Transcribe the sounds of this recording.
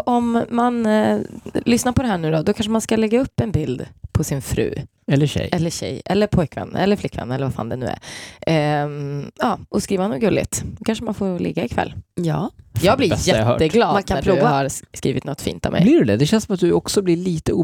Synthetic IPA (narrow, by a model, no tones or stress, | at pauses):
ʔɔmːan | lʏsnaɾpʰɔd̪ɛɦæːɳʉ̟ːd̪ɔd̪ɔkʰanʂəmanskalɛɡːaɵpːɛnbɪld̪pʰɔsɪnfɾʉ̟̰ː | ɛlːəɕɛ̰jɛlːəɕɛ̰jɛ̰lːəɾpʰɔjkvɛ̰n̰ːɛlːəɾflɪkːvɛ̰nːɛlːəɾvafa̰ːnd̪ɛnʉ̟ːæ̰ɾ | ɑːʔɔskɾiːvanuːɡɵlːɪ̰t̪ɔkʰanʂəmanfolɪ̰ɡːaɪkʰvɛ̰lːjɑːjɑːɡblɪɾjɛhœ̰ːəɡlɑːd̪makʰapʰɾuːʉvahaɾskɾiːvɪt̪nɔt̪ːfḭːnt̪a̰vmɛ̰bjlɪɖɛd̪ɛd̪ɛɕɛnsɔmat̪̚d̪ɵɔksɔblɪɭiːt̪əuː